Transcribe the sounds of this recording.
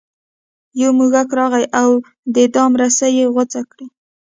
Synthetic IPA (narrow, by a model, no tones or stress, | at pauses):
jawmuɣakɾɑɣajʔaw | d̪əd̪ɑmɾasajeɣʊt͡sakɽi